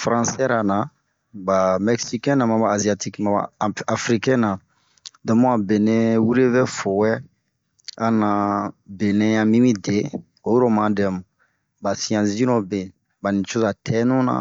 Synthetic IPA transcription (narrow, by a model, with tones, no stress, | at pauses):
fɾã˦˨sɛ˦ɾa˨na˨ | ba˨mɛ˨ksi˦kɛ̃˦nã˨mã˨baː˨zi˨a˨ti˦ki˦mã˨a̰˨a˨fɾi˦kɛ̃˦nã˨ | dɔ̃˨mɔ̃˦a˨be˨nẽ˦wu˦ɾe˦vɛ˦fo˨wɛ˦ | ã˨nã˨be˨nɛ̃˦jã˦mĩ˦mĩ˦de˨ | o˨jo˦ɾo˦mã˦dɛ˨mu˨ | ba˨si˨˦ã˨sĩ˦nɔ̃˦bẽ˨ | ba˨nĩ˨t͡ʃo˦za˨tʰɛ˦nũ˦nã̰˨